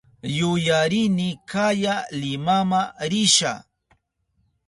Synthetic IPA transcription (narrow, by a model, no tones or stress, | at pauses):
jʊjaɾɪnɪkajalɪmamaɾɪʃa̰